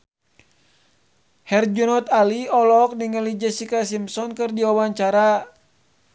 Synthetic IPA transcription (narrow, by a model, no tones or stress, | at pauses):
hɛrd͡ʒɔnɔt̪aliɔlɔk̚niŋəlid͡ʒasikasimsɔnkɨrdiwawaɲt͡ʃaɾa